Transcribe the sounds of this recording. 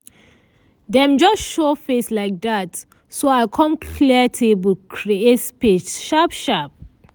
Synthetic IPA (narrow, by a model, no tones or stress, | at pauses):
dɛ̃md͡ʒʌsʃofeslaɪk̚dat | soaɪkʰɔ̃mkʰliətʰuibəkʰɹietspit͡ʃʃapʃap̚